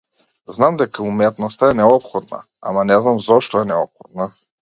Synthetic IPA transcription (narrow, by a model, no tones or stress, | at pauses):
znamd̪ɛkaumɛt̪nɔst̪aɛnɛɔpxɔd̪na̰ | a̰manɛznamzɔʃt̪ɔɛnɛɔpxɔd̪̚na